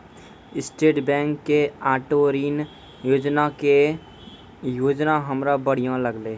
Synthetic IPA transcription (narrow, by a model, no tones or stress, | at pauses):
ɪsʈeːʈbɛ̃ːŋkːeaːʈoːɾiːn | joːd͡ʒnake | joːd͡ʒnaɦəmɾabəɽ̤ijãləɡleː